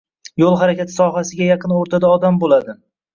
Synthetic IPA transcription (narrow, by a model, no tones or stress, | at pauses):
jolˠɦaɾakʲat̪ʰɪ̥sɒɦasɪɡʲajɑqʰɨnoɾt̪ʰad̪aɒd̪ambolad̪ɪ